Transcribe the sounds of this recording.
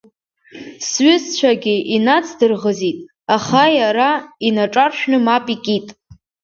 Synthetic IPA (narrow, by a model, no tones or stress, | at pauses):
sɥɪst͡ɕʷʰaɡʲɪʔinat͡sʰdɨrʁəzitʼ | aχajaɾainaʈ͡ʂʼarʃᶣnɨmapʼikʲʼitʼ